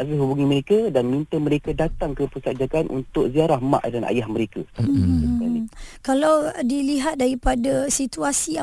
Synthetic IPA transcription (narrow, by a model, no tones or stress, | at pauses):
azəɦubuŋĩməɾekadanmint̪əməɾekadat̪aŋkəpəsad͡ʒakanʔṵnt̪ʊk̚ziaɾahma̰ʔdana̰jahməɾekasaiskalikalawdiliɦat̪̚daɾipadasit̪uasi